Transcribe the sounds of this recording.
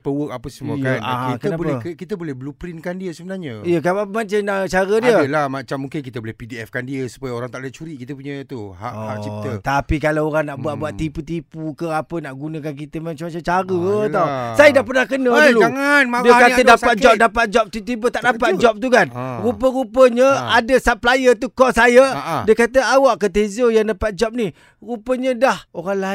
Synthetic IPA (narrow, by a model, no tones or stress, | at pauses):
pəwək̚apəsəmuəkanaɦak̪əənabopɛəkit̪əbolɛhbəlupɾinkandiəsəbənarɲəijəkaapəmat͡ʃanat͡ʃaɾədiəəlahmat͡ʃamːuŋkɪnkit̪əbolɛhpidiɛfkandiəsu̥pajəoɾaŋt̪aʔət͡ʃuɾiʔkit̪əpuɲət̪uha̰ʔhaʔt͡ʃit̪ət̪apikalaoɾaŋnaʔbuat̪̚buat̪iput̪ipukəapənaʔɡunə̃k̬ank̬it̪əmãt͡ʃamːat͡ʃamt͡ʃaɾət̪awsajədahpərnahkənəluŋanmdiəkat̪ədaat̪̚d͡ʒɔp̚dapat̪̚d͡ʒɔp̚t̪ut̪ibət̪aʔdapat̪̚d͡ʒɔp̚t̪ukanɾupəɾupəɲə̃adəsaplajət̪̬ukɔsajadiəkat̪əawaʔkːət̪ezojaŋdapat̪̚d͡ʒɔp̚ni | ɾupəɲə̃dahoɾaŋla